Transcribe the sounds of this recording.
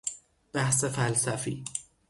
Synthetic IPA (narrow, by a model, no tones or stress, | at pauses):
b̥æhsefælsæfḭː